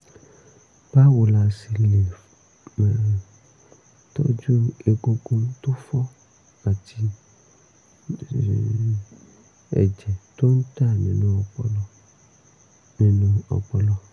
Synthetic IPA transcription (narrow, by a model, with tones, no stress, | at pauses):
b̥a˦wo˨la˨si˨le˨ | mɛ˨ɾ | tɔ̰˦d͡ʒu˦e˨ɡo˧ko˧n˦to˦fɔ˦ | a˨ti˧˨ | ɛ̰˨d͡ʒɛ˨to˦n̩˦ta˦˨nẽ˨nũ˨ɔ˨k͡pɔ˨lɔ˦ | nẽ˨nũ˧ɔ̰˨k͡pɔ˨lɔ˧